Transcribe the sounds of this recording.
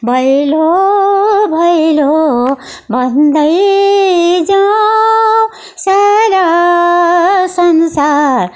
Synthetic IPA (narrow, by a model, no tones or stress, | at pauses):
bʱʌjlo | bʱʌilo | bʱʌnd̪ʌj | d͡za | sala | sʌnsaɾ